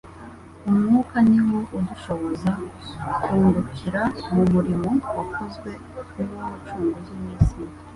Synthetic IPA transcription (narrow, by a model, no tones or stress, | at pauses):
umŋuːkaniwouduʃo̞βo̞zakuːndukʰiɾamumuɾimo̞wakʰozɡwe̞ | uβumut͡ʃuːŋɡozimiːsi